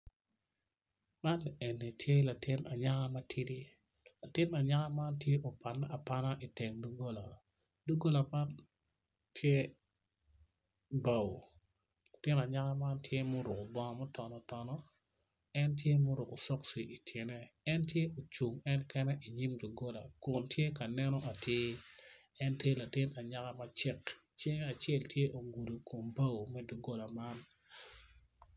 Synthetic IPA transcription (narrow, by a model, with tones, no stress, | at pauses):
ma˦nlɛ˨e˨nːi˨tʰje˦la˨tɪ˦na̰˨ɲa˦ŋa˦ma˦tʰɪ˦ɾi˦ | la˨tɪ˦na˨ɲa˦ŋa˦ma˦ntje˦ʔo˨pa˨nːa˦a˨pa˦na˦ʔi˨te˨ŋdu˦ɡo˦la˨ | du˦ɡo˦la˨ma˦n | tʰje˦ | ba˨w | la˨tɪ˦na˨ɲa˦ŋa˦ma˦ntʰje˦mʊ˦ɾʊ˨kʊ˨bɔ˦ŋ˦mɔ˦tɔ˨nɔ˨˦tɔ˦nɔ˦ | ɛ˦ntje˦mʊ˦ɾʊ˨ko˨sɔ˦ksi˨i˨tʰje˨nɛ˦ɛ˦ntje˦ʔo˨t͡ʃu˨ŋɛ˦nkɛ˦nɛ˦ʔi˨ɲi˦mdu˨ɡo˦la˨kʊ˨ntje˦ka˨nɛ˦nɔ˦ʔa˨tje˦ | ɛ˦ntje˦la˨tɪ˦na˨ɲa˦ka˦ma˦t͡ʃɪ˦kt͡ʃe˦ŋa˨t͡ʃɛ˦˨ltje˦ʔo˨ɡu˨do˨ko˨mba˦wmɛ˦du˨ɡo˦la˨ma˦n